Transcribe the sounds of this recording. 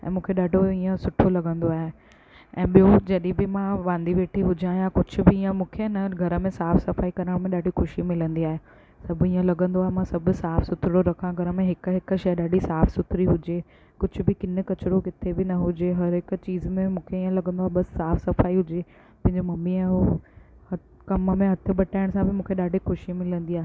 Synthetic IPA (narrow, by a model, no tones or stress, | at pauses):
ɛ̰̃ːmũːkʰeɗaːɖʱoiːə̃sʊʈʰolɐɠə̃nd̪oaːɦe | ɛ̰̃ːɓijod͡ʑɐɗĩbɪmãʋãːnd̪iʋeːʈʰiɦʊd͡ʑãːɦijãkʊd͡ʑʱʊ̆bɪiːə̃mũːkʰenɐɡʱɐɾə̆mẽsaːfsɐfaːikɐɾəɽ̃mẽɗaːɖʱixʊʃimɪlə̃nd̪iaːɦe | sɐbiːə̃lɐɠə̃nd̪oaːɦemãsɐbʊsaːfsʊt̪ʰɾɪɽoɾɐkʰãɡʱɐɾəmẽɦɪkɦɪkʃɐjɗaːɖʱisaːfsʊt̪ʰɪɾiɦʊd͡ʑe | kʊd͡ʑʱʊ̆bɪkɪnə̆kɐt͡ɕɪɾokɪt̪ʰebɪnɐɦʊd͡ʑeɦɐɾɦɪkʊ̆t͡ɕiːzmẽmũːkʰeiːə̃lɐɠə̃nd̪aːɦebɐsːaːfsɐfaːiɦʊd͡ʑe | pɐ̃ɦɪ̃ɲd͡ʑomɐmːiɛ̃ɦo | ɐ | kɐməmẽɦɐt̪ʰɪɓɐʈaːɪɽ̃sãbɪmũːkʰeɗaːɖʱixʊʃimɪlə̃nd̪iaːɦe